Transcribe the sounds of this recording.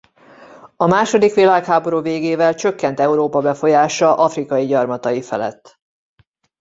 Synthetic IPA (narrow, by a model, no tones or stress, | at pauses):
ɒmaːʃo̞d̪ikʋilaːkhaːbo̞ɾuːveːɡeːvɛlt͡ʃø̞kːɛnt̪ɛuɾoːpɒbɛfo̞jaːʃɒʔɒfrikɒjiɟɒrmɒt̪ɒjifɛ̰lɛ̰t̪ː